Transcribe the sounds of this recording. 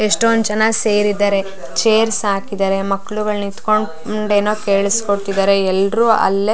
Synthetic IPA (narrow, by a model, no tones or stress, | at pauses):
eʂʈond̪d͡ʒɐnaːɡse̞ːɾid̪aːɾe̞ | t͡ʃeːɾsaːkid̪aːɾe̞mɐkːɭuɡɐɭnit̪ko̞ɳ | ɳɖeːnoːke̞ːɭiskoɽt̪id̪aːɾeɛlːɾuːɐ̰lːe